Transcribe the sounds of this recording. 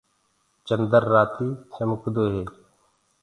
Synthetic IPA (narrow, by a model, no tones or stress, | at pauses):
t͡ʃənd̪əɾːaːt̪iːsəmʊkd̪oːɦeː